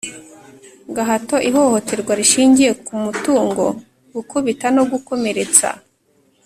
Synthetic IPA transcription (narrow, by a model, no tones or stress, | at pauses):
ɡaɦato̞ʔiho̞ho̞te̞ɾɡwaɾiʃiːɲɟije̞kumutuːŋɡo̞ | ɡukuβitano̞ɡuko̞me̞ɾe̞t͡sa̰